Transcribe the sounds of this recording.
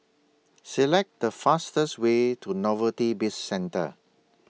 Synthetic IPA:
sɛlɛk̚t̚dəfastəswetʰunɔvətibisːɛ̃ntə̰

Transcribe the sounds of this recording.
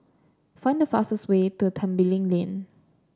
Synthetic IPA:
fãɪ̃ndəfa̰stəswetutʰãmbilɪ̃ŋlẽn

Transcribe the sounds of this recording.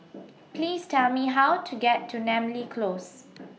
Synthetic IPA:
pliːstɛlmiɦawtʰuɡɛtʰːunɛ̃mlikʰlos

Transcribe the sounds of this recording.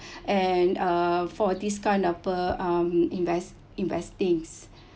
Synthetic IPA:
ʔɛnafɔdiskãj̃ndɔfəamĩnvɛs | ĩnvɛstĩŋs

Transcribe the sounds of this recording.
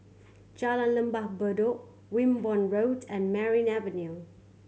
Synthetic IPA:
t͡ʃalãnlə̃mbahbədoʔ | wĩmbɔ̃nɹoʊtɛ̃nmɛɹĩnɛvənju

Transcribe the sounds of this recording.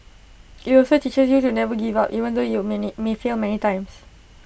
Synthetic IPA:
itɔlsotit͡ʃəsjutunɛvəɡivapʔivə̃nd̪ojumefilmɛnitãj̃ms

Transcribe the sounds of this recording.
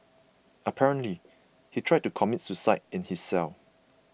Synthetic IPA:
əpʰɛɹə̃nli | hitʰɹajd̚tukʰɔmitsusaɪt̚ɪ̃nhisːɛl

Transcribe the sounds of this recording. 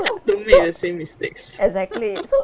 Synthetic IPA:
dõmdəsẽmːistḛksɛɡzɛk̚tliso

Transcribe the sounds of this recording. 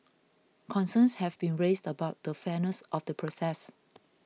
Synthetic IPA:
kʰɔ̃nsə̃nshɛvbĩnɹesdəbaʊt̚dəfɛnəsʔɔfdəpʰɹosɛs

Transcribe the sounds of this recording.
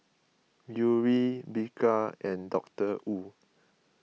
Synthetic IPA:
juɹibikʰaɛ̃ndɔk̚təʔu

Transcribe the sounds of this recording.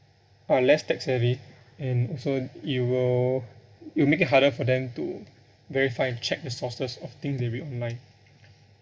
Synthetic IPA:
alɛstɛksɛɹi | ɛ̃nɔlsojuwil | iwimekit̚ɦaɾəfɔdɛ̃mtṵ | vɛɹifaɪɛ̃nt͡ʃɛk̚dəsɔsəsɔft̪ɪ̃ŋsdeɹiɔ̃nlãɪ̃n

